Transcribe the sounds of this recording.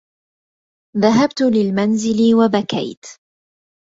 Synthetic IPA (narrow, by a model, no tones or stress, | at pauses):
ðaɦabt̪lɪlmanzɪlɪwabaka̰jt̪